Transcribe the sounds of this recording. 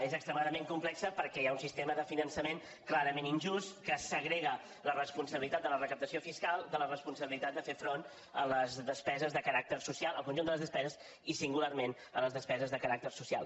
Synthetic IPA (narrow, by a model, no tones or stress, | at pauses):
ezəkst̪ɾəmaðəmeŋkumplɛksəpəɾkɛjaunsist̪eməðəfinənsəmeŋ | klaɾəmeninʲʒust̪kəsəɣɾeɣə | lərəspunsəβilit̪at̪̚d̪ələrəkəp̚t̪əsiofiskalˠd̪ələrəspunsəβilit̪at̪̚d̪əfefɾon | ələzðəspɛzəzðəkəɾak̚t̪ərsusialˠəlˠkunʒund̪ələzðəspɛzəz | isiŋɡularmen | ə̰ləzðəspɛzəzðəkəɾak̚t̪ərsusia̰lˠ